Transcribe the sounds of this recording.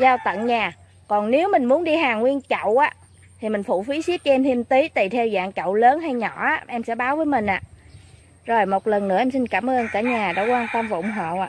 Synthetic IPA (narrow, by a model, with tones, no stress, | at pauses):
zaː˧wt̪ə̰˧˨nɲaː˨˩ | kɔ˨˩nne˨˦wmï˨˩ŋ̟mu˨˦ənɗi˧ɦaː˨˩ŋwi˧ənt͡ɕə̰˧˨wʔaː˨˦ | t̪ʰi˨˩mï˨˩ŋ̟fṵ˧˨fi˨˦si˦˥əp̚t͡ɕɔ˧ʔɛ˧mt̪ʰi˧ənt̪i˨˦t̪i˨˩t̪ʰɛ˧wza̰ː˧˨ŋt͡ɕə̰˧˨wləː˨˦nɦa˧jɲɔ˧˩˨ʔaː˨˧˥ʔɛ˧msɛ̰˧˥ɓaː˨˦wvəː˨˦jmï˨˩ŋ̟ʔa̰ː˧˨ | zo˨˩jmo˨˩t̚lə˨˩nːɨ̰˧˥əɛ˧msi˧nkaː˧˩mʔəː˧ŋkaː˧˩ɲaː˨˩ɗa̰ː˧˥kwaː˧nt̪ə˧mvaː˨˩ʔʊ˨˩ŋ͡mɦo̰˧˨ʔaː˧